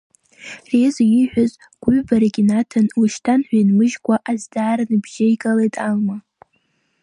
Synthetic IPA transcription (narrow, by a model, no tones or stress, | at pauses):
rezjiħʷᶣaz | ɡ̥ʷʊɥbaɾaɡʲinatʰanluʃtʰanħʷᶣajnmɨʒɡʷaʔazdaːɾanɨbʒajikʼalejtʼalma